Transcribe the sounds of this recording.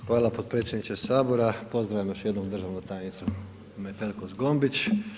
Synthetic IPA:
xʋaːlˠapo̞t̪̚pɾe̞ːt̪sjed̪nit͡ʃesaːboɾapo̞zd̪ɾaʋjimjosjed̪nomd̪r̩ʒaʋnut̪ajnit̪su | met̪elkozɡo̞mbit͡ɕ

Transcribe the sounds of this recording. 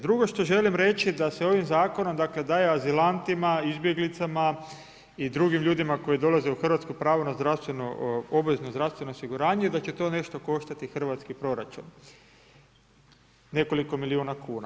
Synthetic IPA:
d̪ɾuɡo̞ʃt̪o̞ʒe̞limɾe̞t͡ʃid̪ase̞o̞ʋimzaːko̞no̞md̪akle̞d̪aːjeazilant̪imaizbje̞ɡlit̪sama | id̪ɾuɡimʎuːd̪imako̞jid̪o̞lˠaze̞uxr̩ʋat̪skopɾaːʋonazd̪ɾaʋst̪ʋe̞noo̞bʋe̞zno̞zd̪ɾafst̪ʋenoosiɡuɾaːɲejed̪at͡ɕe̞t̪o̞ːne̞ʃt̪o̞ko̞ʃt̪at̪ixrʋat̪skipɾo̞ɾat͡ʃun | ne̞ko̞liko̞miliuːnakuːna

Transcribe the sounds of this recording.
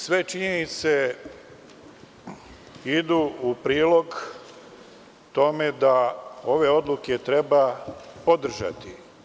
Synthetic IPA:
sʋe̞t͡ʃiɲenit̪se̞ | id̪uːupɾiːlo̞ɡ | t̪o̞me̞d̪ao̞ʋe̞o̞d̪luke̞t̪ɾe̞bapod̪r̩ʒa̰t̪i

